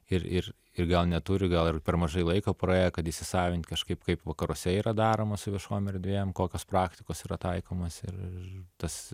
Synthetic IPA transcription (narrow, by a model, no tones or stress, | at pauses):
ɪrɪr | ɪrɡɐlˠnʲɛt̪ʊɾʲɪɡɐlˠɪrpʲɛɾmɐʒɐɪlˠɐɪkoːpɾoeːjɛkɐt̪ɪʃʲsʲɪsɑːʋʲɪnʲt̪ʲkɐʃkɐɪpkɐɪpʋɐkɐɾɔsʲɛiːɾɐd̪ɑːɾoːmɐsʊʋʲiɪʃoːjmɛrʲd̪ʲʋʲeːjɛmkoːkʲoːspɾɑːktʲɪkoːsiːɾɐt̪ɐɪkoːmosɪ̰rɪɪt̪ɐs